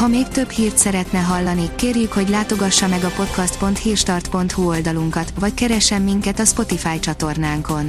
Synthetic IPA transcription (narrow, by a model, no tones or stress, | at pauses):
hɒmeːkt̪ø̞bhiːrt̪sɛɾɛt̪nɛɦɒlːɒnikeːrjykho̞ɟlaːt̪o̞ɡɒʃːɒmɛɡɒpo̞t̪kɒst̪po̞nt̪hiːrʃt̪ɒrt̪po̞nt̪huo̞ld̪ɒluŋkɒt̪vɒckɛɾɛʃɛmːiŋkɛt̪ɒspo̞t̪ifaːjt͡ʃɒt̪o̞rnaːŋko̞n